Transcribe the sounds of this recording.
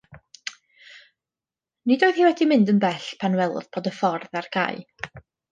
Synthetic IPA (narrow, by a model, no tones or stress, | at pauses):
nidoːɨð̥hiːwɛdimɪndənbɛɬpʰanwɛl̰ˠðbʰoːdəfɔrðarɡʰa̰j